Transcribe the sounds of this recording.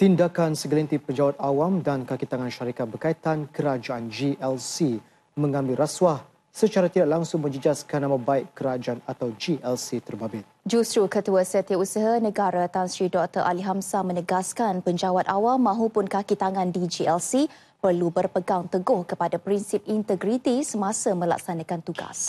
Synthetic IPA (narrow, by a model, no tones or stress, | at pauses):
t̪indakansəɡəlint̪ipəɲd͡ʒawat̪̚awamdankakit̪aŋanʃaɾikat̪̚bərkait̪ankəɾad͡ʒaʔand͡ʒiɛlsi | mə̃ŋãmbɪlɾaswah | sət͡ʃaɾat̪idak̚laŋsʊŋmə̃ɲd͡ʒəd͡ʒaskanamãbaɪʔkəɾad͡ʒaanat̪awd͡ʒiʔɛlsit̪ərbabɪt̪̚d͡ʒusɾukət̪uəsət̪əusəɦanə̃ɡaɾat̪ansɾidɔk̚t̪əʔa̰liɦamsamə̃nəɡaskanpəɲd͡ʒawat̪awamːãɦupʊnkakit̪aŋãndid͡ʒiɛlsi | pərlubərpəɡaŋt̪əɡʊhkəpadapɾinsip̚int̪əɡɾit̪isəmãsamə̃la̰ksanãkant̪uɡa̰s